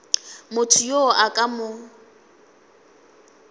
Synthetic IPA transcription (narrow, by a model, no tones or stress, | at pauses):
mʊtʰʊjoakʼamʊ